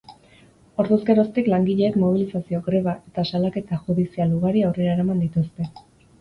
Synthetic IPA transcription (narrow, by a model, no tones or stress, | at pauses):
o̞ɾðuskeɾo̞st̪iklaŋɡiʎe̞ːkmo̞β̞ilisasio̞ɡɾe̞βaʔe̞t̪asalake̞t̪axuðisialuɣ̞aɾiawre̞ɾaeɾamand̪it̪ust̪e̞